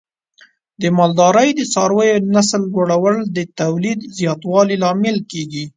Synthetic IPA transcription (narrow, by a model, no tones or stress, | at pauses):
d̪əmɑld̪ɑɾəjd̪ət͡sɑɾwəjonasld͡ʒoɽawəld̪ət̪awlid̪zjɑt̪wɑlilɑmɪlkeɡi